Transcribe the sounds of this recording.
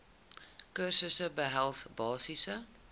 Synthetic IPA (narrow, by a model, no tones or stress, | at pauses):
kərsəsəbəɦælˠsbɑːsisə